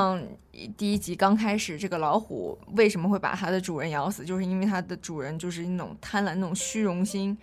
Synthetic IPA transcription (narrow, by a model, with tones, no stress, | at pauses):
ŋ | t̪i˥˩i˥t͡ɕi˧˥kɑ˥ŋkʰa˥ɪʂɻ̩˨˩ʈ͡ʂɤ˥˩ɡə˩lɑ˧˥ʊxṵ˨˩˦we˥˩ɪʂ̬ə˧˥mə˧xwɪpa̰˨˩t̪ʰa˥d̪ə˨ʈ͡ʂu˨˩ɻə˧˥njɑ˧˥ʊsɹ̩˨˩t͡ɕjo˥˧ʊʂɻ̩˥˧i˥nwe˥˩ɪt̪ʰa˥d̪ə˨ʈ͡ʂu˨˩ɻə˧˥nt͡ɕjo˥˧ʊʂɻ̩˥˧n˥˩ʈ͡ʂʊ̰˨˩ŋt̪ʰa˥nla˧˥na˥˩ʊ˨˩ŋɕy˥ɻʊ˧˥ŋɕi˥ŋ